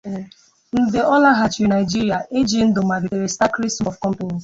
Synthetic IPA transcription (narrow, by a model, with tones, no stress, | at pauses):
n̩˨de˨ɔ˦la˦ɦa˨t͡ʃɾi˨na˨ɪ˨d͡ʒi˦ɾi˨a˨ʔe˦d͡ʒi˨n̩˦do˨ma˨ɡi˨e˨ɾe˨sta˦kɾi˦sɔ˨fkɔ̃˦m˦pe˦n˨